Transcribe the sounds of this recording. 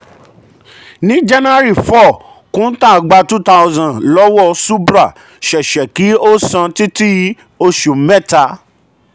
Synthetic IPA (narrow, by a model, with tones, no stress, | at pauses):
nĩ˦d͡ʒa˦na˦ɾi˨fɔ˦˨ | kũ˦tã˦˨ɡ͡ba˧tu˦ta˧zã˨lɔ˦wɔ˦su˦bɾa˦˨ | ʃɛ˨ʃɛ˨ki˨˦o˦sã˧ti˦ti˦ | o˧ʃu˨˦mɛ̃˦˨ta˧